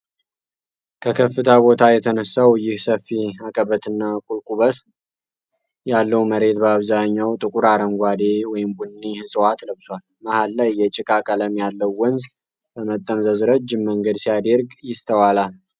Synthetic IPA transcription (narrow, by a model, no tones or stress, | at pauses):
kʰəkʰəfːɨt̪ʰabo̞t̪ʰajɛt̪ʰənəsːawjɪhsəfːiakʼəbət̪ɨnːakʼulkʼuβət̪ | jalːəwməɾe̞t̪bəaβzaɲːawt̪ʼɨkʼuɾaɾəŋɡʷad̪e̞wɔjɪmbunːihɨsʼwat̪ləβswal | mahalːajːɛt͡ʃʼɪkʼakʼələmjalːəwːɔnz | bəmət̪ʼːəmzəzɾəd͡ʒːɪmːəŋɡəd̪sijad̪əɾɡjɪst̪ʰəwalal